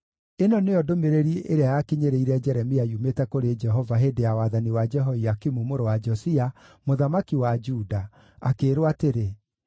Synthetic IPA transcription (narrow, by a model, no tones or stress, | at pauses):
enɔneɔdomeɾeɾiʔeɾeajakiɲeɾeiɾɛd͡ʒɛɾɛmiaiumetɛkoɾed͡ʒɛɦɔvaɦedeawaðaniwad͡ʒɛɦɔiakimumoɾowad͡ʒɔsiamoðamakiwad͡ʒuda | akeːɾwateɾe